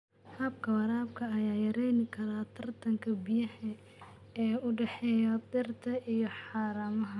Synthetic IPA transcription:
hɐb̚kʰɐwɐɾaːb̚kʰɐːjaːjɐɾɛjnɪkʰɐɾaːt̪ʰɐrt̪ʰɐŋkʰɐbɪjɐhɛ | ɛːʊɖɛħɛːjɔd̪ɪrt̪ʰɐʔijɔħɑːɾɐmɐɦɐ

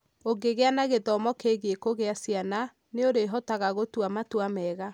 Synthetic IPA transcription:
oɡeɣeanaɣeðɔmɔkeɣekoɣeasiana | neoɾeɦɔtaɣaɣotwamatwamɛɣa

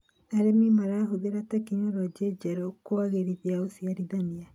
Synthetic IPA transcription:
aɾemimaɾaɦoðeɾatakiɲaɾwad͡ʒed͡ʒɛɾokoaɣeɾiβjaosiaɾiðania

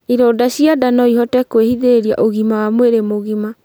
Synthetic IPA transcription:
iɾoːdaɕjadanɔiɦɔtɛkwehiðeɾeɾia̰ʔoɣimawamweɾemoɣima

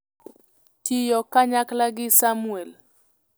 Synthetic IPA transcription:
tijɔkaɲaklaɡɪsamuɛl

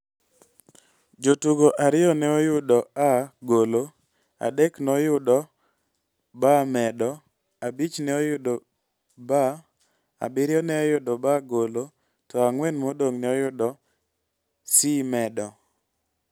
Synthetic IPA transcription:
d͡ʒotuɡoʔaɾɪɔnɛojʊdɔaɡolo | a̰dɛknɔjʊdɔ | bamɛdɔ | abit͡ʃnɛojʊdɔ | ba | a̰bɪɾɪɔnɛajʊdɔbaɡolo | tɔaŋwɛnmodoŋnɛɔjʊdɔ | simɛdɔ

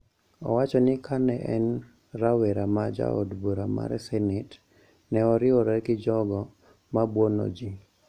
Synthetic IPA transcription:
ɔ̰wat͡ʃɔnɪkʰanɛʔɛ̰n | rawɛɾamad͡ʒa̰o̰dboɾama̰ɾɛ̰sɛnɪt | nɛɔɾɪɔɾɛkɪd͡ʒɔɡɔ | mabwɔno̰d͡ʒi

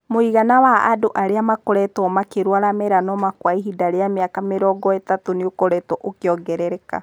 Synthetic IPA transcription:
moiɣanawaa̰doʔaɾeamakɔɾɛtwɔmakeɾwaɾamɛɾanɔmakwaiɦidaɾeameakameɾɔɡɔetatoneokɔɾɛtwɔʔokeɔɡɛɾɛɾɛka̰

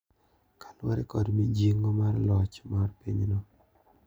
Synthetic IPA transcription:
kḁlwaɾɛ̰kɔdmid͡ʒiŋɔmarlɔt͡ʃmarpiɲnɔ

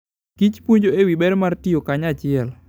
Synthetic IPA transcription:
kit͡ʃpwoɲd͡ʒoewibɛɾmartiokaɲat͡ʃɪɛl

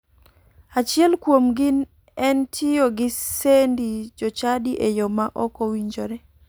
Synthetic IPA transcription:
at͡ʃɪɛlkwomɡɪn | ɛntʰɪjoɡɪsendid͡ʒɔt͡ʃadiʔejɔmaʔɔkɔwiɲd͡ʒoɾɛ

